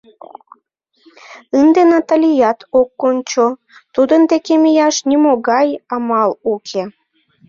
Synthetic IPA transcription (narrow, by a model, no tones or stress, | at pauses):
ɨnd̪enɑt̪alʲijɑt̪okːonʲt͡ɕo | t̪ud̪ənd̪ekemijɑʃnʲimoɣɑjɑmɑlukʰe